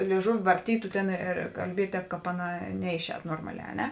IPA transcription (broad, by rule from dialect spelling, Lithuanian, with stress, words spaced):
lʲeːɪˈʒʊʋʲɪ ʋɐrʲˈtʲiːtʊ ˈtʲeːn ɪr kɐlʲˈbʲiɛtʲ ˈtʲɛːp ˈkɑːp ˈɑːˌnɑː ˈnʲɛɪˌʃʲɛːt ˈnoːrmɐˌlʲɛː ɐ ˈnʲɛ